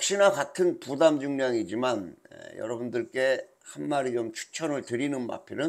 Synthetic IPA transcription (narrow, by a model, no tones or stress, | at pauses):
k̚ɕ͈inakatʰɯnpudamd͡ʑuŋɲaŋid͡ʑimanḛjʌ̰ɾʌbundɯɭk͈e̞ | hanmaɾit͡ɕomt͡ɕʰu̥t͡ɕʰʌnɯɭtɯɾinɯnma̰pʰinɯn